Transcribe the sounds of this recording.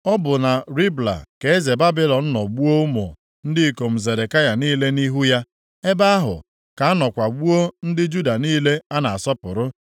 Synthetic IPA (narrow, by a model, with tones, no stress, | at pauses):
ɔ˦bʊ˨na˨ɾi˦bla̰˨ke˨e˦ze˨ba˦bɪ˦lɔ˨n̩˦nɔ˨ɡ͡bu˦o˦ʊ˦mo˨ | n̩˦dɪ˦˨ko˨m̩˨ze˨ɾe˨ka˦ja˨niː˦le˦ni˦ɦu˦ja˦ | e˦ba˦a˦ɦʊ̰˨ | ka˨a˦nɔ˨kʷa˨ɡ͡bu˦o˦n̩˦dɪ˦d͡ʒu˦da˨niː˦le˦a˦na˨a˨sɔ˦pʊ˨ɾʊ˦